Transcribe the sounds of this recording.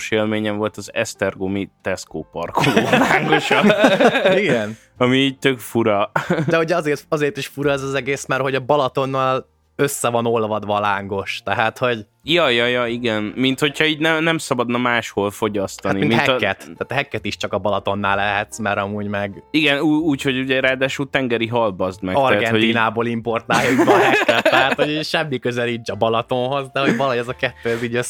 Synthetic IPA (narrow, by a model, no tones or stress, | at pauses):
ʃeːlmeːɲɛɱvo̞lt̪ɒzɛ̰st̪ɛrɡomit̪ɛskoːpɒ̰rkʰulːlaːŋɡoʃɒ | iɡɛn | ɒmiːɟ̚t̪økfuɾɒd̪ɛɦoɟɒzeːrt̪ɒzeːrt̪iʃfuɾɒɛzɒzɛɡeːsmɛrho̞ɟɒbɒlɒt̪o̞nːɒl | øsːɛvɒno̞lvɒd̪ʋɒːlaːŋɡo̞ʃt̪ɛɦaːt̪ho̞ɟ | jɒjɒjɒiɡɛnmint̪ho̞chɒiːɟnɛnɛmsɒbɒd̪nɒmaːʃholfo̞ɟɒst̪ɒniminɛːɛt̪ːaːt̪ɒɦɛkːɛt̪iʃt͡ʃɒkɒbɒlɒt̪o̞nːa̰ːlːɛɦɛt̪smɛɾɒmuːɟmɛɡiɡɛnuːuːcho̞ɟuɟɛɾaːd̪aːʃuːlt̪ɛŋɡɛɾiɦɒlbɒzd̪mɛtɒrɛhːɡɛtnoiːnaːboːlimpo̞rt̪aːljubɛɦɛkːɛɦaːt̪hoɟiʃɛmːikøzɛlit͡ʃɒbɒlɒt̪o̞nɦo̞zd̪ɛɦo̞ɟvɒlɦojɛzɒkɛt̪ːøːɛziːɟøs